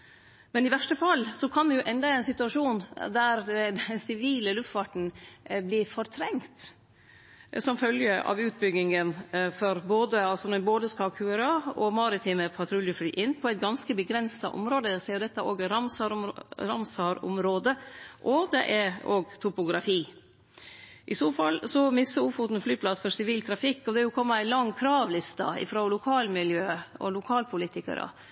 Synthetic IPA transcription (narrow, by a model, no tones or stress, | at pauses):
mɛnɪʋæʂʈəfɑlːsɔkʰɑnd̪ɛjʊʔɛnd̪ɑæɪnsɪt̪ʉɑʂuːnd̪æɾd̪ɛsɪʋiːləlʉft̪fɑʈɳ̩blɪɾfɔɾt̪ʰɾɛŋt̪ | sɔmfœljəʔɑ̰ʋʉːt̪̚bʏɡɪŋənfɔɾboːd̪əɑlsɔnɔboːd̪əskɑkʰʉːɛɾɑɔmɑɾɪt̪ʰiːməpʰɑt̪ʰɾʉljəflyːʔɪnːpʰɔæɪt̪̚ɡɑnskəbəɡɾɛnsɑʔɔ̰mɾoːd̪əsɛːd̪ɛt̪ːæoːɡæɾɑmsɑɾɾɑmsɑːɾʊ̰mɾoːd̪əʔɔd̪ɛ̰ʔɛɾoːɡt̪ʰʊpʊɡɾɑfiː | ʔɪsoːfɑlːsɔmɪsəʊfut̪n̩flyːpʰlɑsfɔsɪʋiːlt̪ʰɾɑfɪkːɔd̪ɛjʊkʰɔmːəæɪlɑŋːkʰɾɑːʋlɪst̪ɑ̰ɪ̰fɾoːlʊkʰɑːlmɪljøːɔ̰lʊkʰɑːlpʰʊlɪt̪ɪkə̰ɾə̰